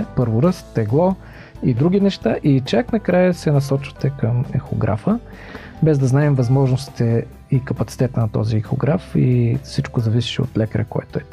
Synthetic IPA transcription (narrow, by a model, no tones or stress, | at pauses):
pɤɾvʊɾɤst̪ɛɡlˠɔ | id̪ɾuɡ̟ʲinɛʃt̪aʔit͡ʃaknɐkɾajəsɛnɐs̬ɔt͡ʃvɐ̥t̪ɛkəmɛ̰xo̰ɡɾʔa̰fə | bɛzd̪ɐznaɛmvɐzmɔʒnʊsi̥t̪ɛ | ikɐpɐt̪si̥t̪ɛt̪ənɐt̪ɔ̰ziːxoɡɾafifsit͡ʃkozɐvisi̥ʃɛo̰t̪lɛkəɾɛ̰koɛ̰t̪ʊɛ